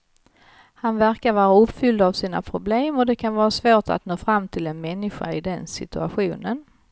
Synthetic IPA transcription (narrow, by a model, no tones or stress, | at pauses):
hanvæɾkaɾvɑːɾaɵpfʏld̪avsiːna̰pʰɾʊbleːmɔd̪ɛkʰanvɑːɾasvoːʈa̰t̪noːfɾamːt̪ʰɪlɛnmɛnːɪɧa̰ɪd̪ɛnsɪ̰t̪ɵa̰ɧuːnən